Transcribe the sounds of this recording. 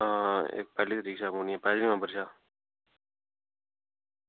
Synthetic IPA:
ɦãḛːk̚pɛːliːt̪əɾiːksaːmuniepɛːlimãːbʱəɾʃaː

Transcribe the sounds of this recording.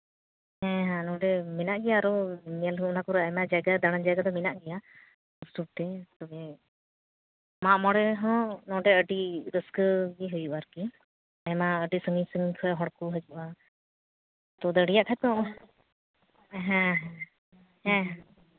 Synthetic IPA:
hɛ̃ɦɛ̃nɔɖɛminaʔɡɛjaːɾɔmalɦuunakɔɾɔajmad͡ʒajɡad̪aɽ̃and͡ʒajɡad̪ɔminaʔɡɛja | ɔsʈup̚ʈɛt̪ɔbɛ | maʔmɔɽɛɦɔ̃nɔ̃ɖɛəɖiɾəskɡiɦujuʔaɾki | ajmaəɖisəŋiɲsəŋiɲkʰɔɦɔɽkuɦəd͡ʒuʔa | t̪ɔd̪əɽijaʔkʰat̪ɔ | ɦɛ̃ɦɛ̃ | ɛ̃ɦɛ̃

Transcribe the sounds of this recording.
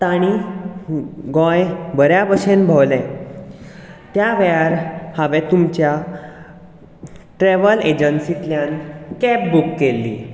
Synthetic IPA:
t̪aɽ̃i | ɡɔ̃jbəɾjabəɕenbʱəwlɛ̃ | t̪jaʋɛaɾhaʋɛ̃t̪umt͡ɕja | ʈɾeʋəled͡ʑənsit̪ljankɛp̚bukːelːḭ

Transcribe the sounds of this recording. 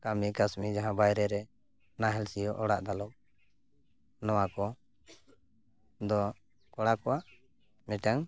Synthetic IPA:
kamikasmid͡ʒaɦãbajɾɛɾɛ | naɦɛlsijɔʔɔɽaʔd̪alɔʔ̚ | nɔwakɔ | d̪ɔ | kɔɽakɔwaʔ | mɛʈaŋ

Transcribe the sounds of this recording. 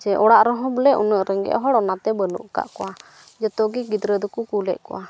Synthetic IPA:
d͡ʒɛʔɔɽaʔɾɔɦɔ̃bəlɛʔunəʔɾɛŋɡɛ̰ʔɔɦɔɽɔnat̪ɛbəlṵʔka̰ʔkɔwa | d͡ʒɔt̪ɔɡiɡid̪ɾəd̪ukukulɛ̰ʔ̚kɔ̰wʔa

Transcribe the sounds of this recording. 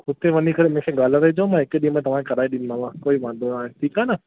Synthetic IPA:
ʊt̪eʋɐnikɐɾemẽkʰeɡaːlɾɐɦid͡ʒaõmãːɪkːɗĩmãːt̪ɐʋ̤ãkɐɾaːiɗɪnmãʋãkoːiʋãːnd̪oaːẽʈʰiːkaːna

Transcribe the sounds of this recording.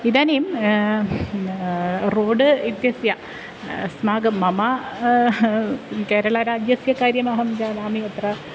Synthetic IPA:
iðaːnejum | roːɖɨit̪jɐsjɐ | smaːɡɐmːɐmɐ | ke̞ːɾɐɭɐɾaːd͡ʑjɐsjɐkaːɾjɐmaːɦɐmd͡ʑaːnaːmiɐt̪rɐ

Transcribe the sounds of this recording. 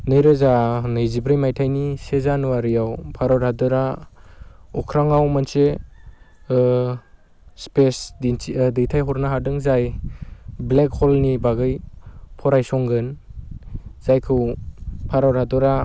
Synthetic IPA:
nɯjɾɯzanɯjzibɾɯjmajtʰajnisezanuaɾɯjawpʰaɾawɾadɔɾa | ɔkʰɾaŋawmanse | spesddɯjtʰajɦɔɾnaɦadɯŋzaj | blek̚ʰhɔlnibaɡɯjpʰɔɾajsɔŋɡɯn | z̥ajkʰɯwpʰaɾawɾadɔɾa

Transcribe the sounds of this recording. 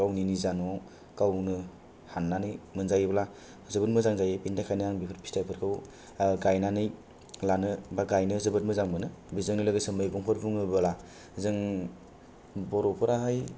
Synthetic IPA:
kawninizanɔ | kawnɯ | hanːanɯjmɯnzajbla | zɯbɯtmɯzaŋzajebindakʰajnɯaŋbipʰɯɾpʰistajpʰɯɾkʰɯw | ɡajnanɯj | lanɯbaɡajnɯzɯbɯt̚mɯzaŋmɯnɯbizɯŋilɯɡɯsɯmɯjɡɔŋpʰɯɾbuŋɯbɯla | zɯŋ | bɔɾɔpʰɯɾaɦaj

